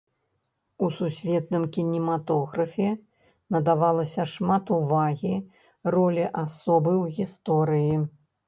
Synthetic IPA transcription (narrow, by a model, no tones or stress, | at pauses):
ususʲvʲɛt̪̚nɨmkʲinʲimat̪ɔɣɾɐfʲɛ | nɐd̪avalˠɐsʲɐʂmat̪uvaɣʲi | rɔlʲiʔasɔbɨwɣʲist̪ɔɾɨji